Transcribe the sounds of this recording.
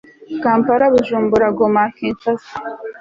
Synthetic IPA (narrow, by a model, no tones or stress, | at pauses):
kaːmpaɾaβuʒuːmbuɾaɡomakiːnt͡ʃasḁ